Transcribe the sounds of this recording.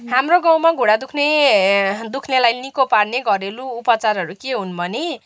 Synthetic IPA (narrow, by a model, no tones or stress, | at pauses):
ɦamroɡãw̃maɡʱuɽad̪ukʰne | d̪ukʰnelajnikoparneɡʱʌɾeluːpʌt͡sarɦʌɾukeɦunbʱʌne